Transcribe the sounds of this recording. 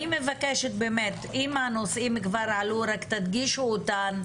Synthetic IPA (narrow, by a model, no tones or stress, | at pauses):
ime̞vakeʃet̪be̞met̪imano̞sʔimkvaɾʕaluɾakt̪ad̪ɡiʃuot̪an